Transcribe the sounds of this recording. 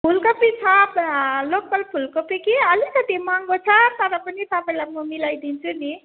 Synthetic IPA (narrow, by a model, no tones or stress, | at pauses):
pʰulkopit͡sʰʌplokʌlpʰulkopikiʌlikʌt̪imʌŋɡot͡sʰʌt̪ʌɾʌpʌnit̪ʌpʌjlamʌmilajd̪int͡sʰuni